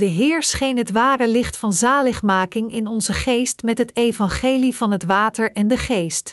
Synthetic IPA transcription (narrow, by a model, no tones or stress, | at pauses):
dəɦɪːɹsχejnɦətʋaːrəlɪχtfɑnzaːləχmaːkɪŋɪnɔnzəχejstmɛtɦətejvɑnχejlivɑnɦətʋaːtəɹɛndəχejst